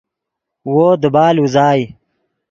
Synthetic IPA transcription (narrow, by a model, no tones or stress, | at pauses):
woːd̪əbaːluzaːj